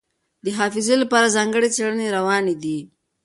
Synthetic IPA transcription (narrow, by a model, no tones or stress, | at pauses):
d̪əɦɑfɪzelapɑɾazɑŋɡəɽet͡seɽəneɾawɑned̪i